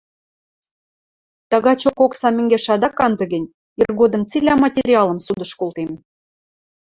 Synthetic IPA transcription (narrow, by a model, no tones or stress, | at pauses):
t̪ɑɣɑt͡ɕokoksɑmʲɘ̆ŋɡʲeʃɑd̪ɑkɑnd̪ɤ̆ɡə̆nʲ | irɣod̪ɤ̆mt͡silʲæmɑtʲeɾʲiɑlˠə̆msud̪ə̆ʃkolˠt̪em